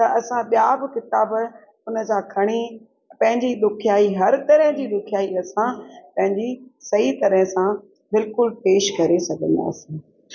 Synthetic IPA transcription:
t̪ɐʔɐsãɓijaːbɪkɪt̪aːb | ʊnə̆d͡ʑãkʰɐɽ̃i | pɐ̃ɦɪ̃ɲd͡ʑiɗ̪ʊkʰijaːiɦɐɾt̪ɐɾəɦɪ̃d͡ʑiːɗ̪ʊkʰijaːiɐsãpɐ̃ɦɪ̃ɲd͡ʑisɐɦit̪ɐɾəɦə̃sã | bɪlkʊlpeːʃkɐɾesɐɡʱə̃nd̪a̰ːsi

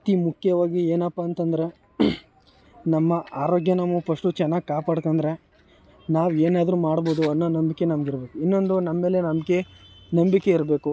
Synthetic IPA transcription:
t̪imukʰjɐʋaːɡieːnɐpːaːnt̪ɐnd̪ɾe̞ | nɐmːɐaːɾoːɡjɐnɐmupʰɐʂʈut͡ʃɛnːaːɡikaːpaːɽkond̪ɾe̞ | naːʋeːnaːd̪ɐɾumaːɽbo̞ːd̪uɐnːoːnɐmbikːe̞nɐmɐɡiɾbe̞ːkuinːo̞nd̪unɐmːe̞ːle̞nɐmɐɡe̞nɐmbikːe̞iɾbe̞ːku

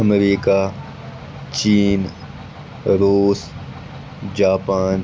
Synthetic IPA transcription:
əmɾiːka | t͡ɕiːn | ɾuːs | d͡ʑaːpaːn

